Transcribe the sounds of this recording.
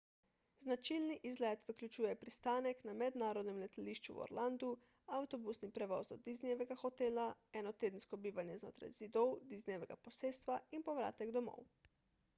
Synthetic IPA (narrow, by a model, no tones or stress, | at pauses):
znat͡ʃilniʔizlɛt̪ʋəklʲut͡ʃuːjɛpɾist̪aːnɛknamɛd̪naːɾɔd̪nɛmlɛt̪aliʃt͡ʃṵwɔ̰ɾland̪u | awt̪ɔbusnipɾɛʋɔːzd̪ɔd̪iznijɛʋɛɡaxɔt̪eːlaɛnɔt̪eːd̪ən̩skɔbiːʋanjɛzno̰ːt̪ɾa̰jz̥id̪ɔwd̪iznijɛʋɛɡa̰pɔseːst̪ʋainpɔʋɾa̰ːt̪ɛɡd̪ɔmo̰w